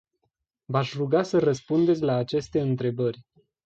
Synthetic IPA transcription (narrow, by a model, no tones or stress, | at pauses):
vaʃruɡasərəspund̪esʲlaːt͡ʃe̞st̪e̞ɨnt̪ɾe̞bərʲ